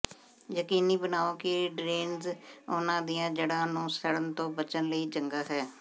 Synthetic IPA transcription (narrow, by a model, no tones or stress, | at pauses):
jəkiːniːbənaːoːkɪɖɾeːnzoːnãːd̪ijãːd͡ʒeːɽãːnũːsəɽənt̪õːbət͡ʃənləiːd͡ʒəŋɡaːɦɛː